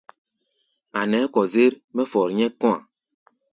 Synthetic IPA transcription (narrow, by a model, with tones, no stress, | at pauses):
a˨nɛ˨˦kɔ˨ze˦ɾ | mɛ˦fɔ˨ɾɲɛ˦kɔ˦a̰˨